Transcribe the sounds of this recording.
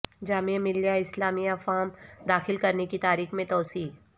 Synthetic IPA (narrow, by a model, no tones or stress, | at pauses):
d͡ʒaːmemɪljaɪslaːmiɐfaːmd̪aːxɪlkɐɾnekit̪aːɾiːxmẽt̪ɔːsiː